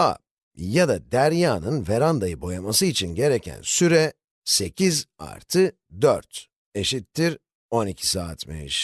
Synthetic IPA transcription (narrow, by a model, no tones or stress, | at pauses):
a̰ | jad̪ad̪æɾjaːnɯnveɾand̪ajɯbo̞jamasɯit͡ʃʰinɟe̞ɾecʰæ̰nsyɾɛ | se̞cʰiza̰ɾt̪ʰɯ | d̪øɾt̪ | e̞ʃit̪ʰːiɾ | o̞nicʰi̥saːt̪mḛḭʃ